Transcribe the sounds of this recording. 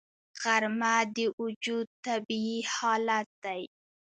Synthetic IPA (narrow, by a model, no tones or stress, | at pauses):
ɣ̥aɾmad̪əʔʊd͡ʒud̪̚t̪abiihɑlat̪̚d̪aj